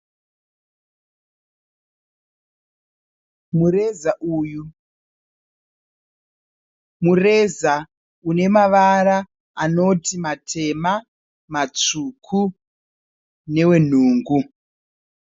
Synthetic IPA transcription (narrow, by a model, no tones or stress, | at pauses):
mure̞zaʔuːju | mure̞za | une̞maʋaɾa | ano̞timatʰe̞ma | mat͡ʂukʰu | ne̞we̞n̤uːŋɡu